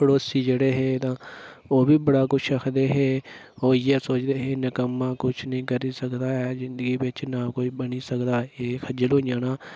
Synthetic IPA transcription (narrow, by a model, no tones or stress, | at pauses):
pʰəɽoːsiːd͡ʒeːɽeːɦeːt̪ãː | oːbiːbəɽaːkʊt͡ʃʰəkʰd̪eːɦeː | oːɪjaːsoːt͡ʃd̪eːɦeːnəkəmːãːkʊt͡ʃʰnəĩːkəɾiːsəkd̪aːɛːzɪ̃nd̪əɡiːbɪt͡ʃnaːkoːiːbəɳiːsəkd̪aːeːkʰəd͡ʒəloːjãːnaː